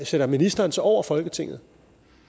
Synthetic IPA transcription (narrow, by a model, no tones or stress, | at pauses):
seɾ̥ɐminisd̥ɐːnsɒʊ̰ɐfɒ̽lɡ̥ət͡sʰe̝ŋ̰ð̩ˠ